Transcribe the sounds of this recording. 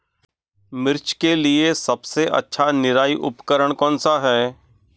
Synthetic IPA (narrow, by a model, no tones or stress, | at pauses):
mɪɾt͡ʃkeliesɐbseʔɐ̰tːʃʰanɪɾaːiʔʊ̰pkəɾəɽ̃kɔːnsaɦɛː